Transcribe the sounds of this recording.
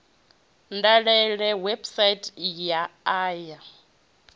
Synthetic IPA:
ndaɺɛɺɛwɛbsaitʼjaaːja

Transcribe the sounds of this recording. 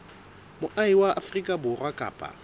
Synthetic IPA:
mʊʔaiwaʔa̰frikʼabʊrwakʼa̰ːpʼa̰

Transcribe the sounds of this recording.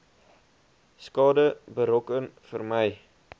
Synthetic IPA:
skɑːdəbəɾɔkənfərməj

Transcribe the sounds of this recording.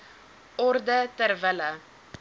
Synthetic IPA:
ɔrdətərvələ

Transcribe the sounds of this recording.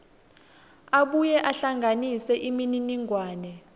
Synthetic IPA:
aɓujɛʔaɬaŋɡʱanisɛʔimininiŋʱwaːnɛ

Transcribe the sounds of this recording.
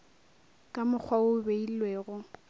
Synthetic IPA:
kʼamʊk͡xʰwaʊbeillweːɣʊ

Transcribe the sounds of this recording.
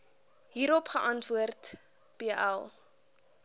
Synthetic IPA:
ɦiːɾɔpχəʔɐntvuərt | b̥eːʔæ̰lˠ

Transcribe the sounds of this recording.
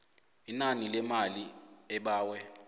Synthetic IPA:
inanilɛmaliɛɓaːwɛ

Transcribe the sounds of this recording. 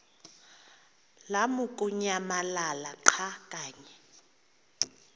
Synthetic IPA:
lamukʼuɲamalalaǃʰakʼaːɲɛ

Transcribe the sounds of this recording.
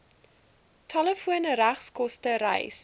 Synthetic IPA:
tʰɑləfuənəɾæχskɔstəɾɛ̰js

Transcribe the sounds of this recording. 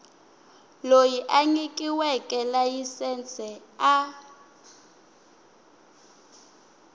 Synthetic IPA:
lojiʔaɲikʼiwɛkʼɛlajisɛnt͡sʰʼɛa

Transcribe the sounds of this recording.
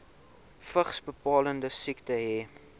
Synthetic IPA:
fəχsbəpɑːləndəsiktəɦɛ

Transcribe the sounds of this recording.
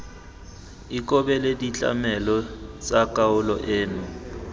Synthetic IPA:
ikʼɔbɛledit͡ɬʼa̰mɛlɔt͡sʼakʼaʊlɔʔeːnʊ

